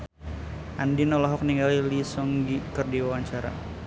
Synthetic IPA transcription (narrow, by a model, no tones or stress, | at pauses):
ʔandinɔlɔɦɔk̚niŋɡalilisɔŋɡikərdiwawaɲt͡ʃaɾa̰